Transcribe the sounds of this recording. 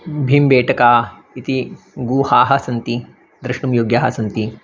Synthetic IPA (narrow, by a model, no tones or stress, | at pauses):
bʱimbeːʈʰəka | it̪i | ɡuːhaːɦɐsɐnt̪i | d̪ɾɐʂʈumjoːɡjaɦɐsɐnt̪i